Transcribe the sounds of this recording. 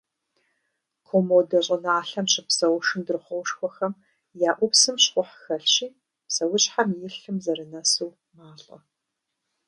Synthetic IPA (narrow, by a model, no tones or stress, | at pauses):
kʰomowdɐɕʼɐnɐaːɬɐmɕɪpsɐwʊʂɨndɨrχʷɔwʂxʷɔxɐm | jaːʔʷʊpsɨmɕχʷɔħxɐɬɕiː | psɐwʊɕʼħamjɪɬɨmzɐɾɨnasuw | maːɬʼɐ̰